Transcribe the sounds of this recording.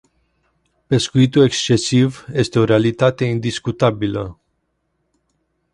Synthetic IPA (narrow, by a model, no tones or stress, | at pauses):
pe̞skuit̪ue̞kst͡ʃe̞sivje̞st̪e̞o̞ɾealit̪at̪e̞ind̪iskut̪abilə̰